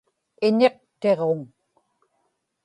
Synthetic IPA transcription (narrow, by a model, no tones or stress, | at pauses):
ɪne̞q̚t̪e̞ʁoŋ